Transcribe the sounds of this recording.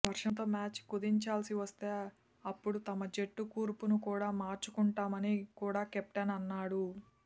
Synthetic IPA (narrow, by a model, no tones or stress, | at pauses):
ʋɐɾʂɐnt̪oːmaːt͡ʃkud̪iɲt͡ʃaːlsiʋɐst̪e̞ː | ɐpːuɽut̪ɐmɐd͡ʒeʈːukuːɾpunukuːɽaːmaːɾt͡ʃukuɳʈaːmɐnikuːɽaːkep̚ʈɐnɐnːaːɽu